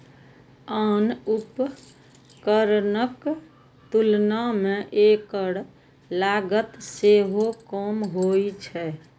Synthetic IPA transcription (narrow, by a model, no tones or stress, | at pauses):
ənup | kəɾnək | t̪ulnamẽʔekəɽ | laɡət̪seɦokəmɦojt͡ʃʰɛ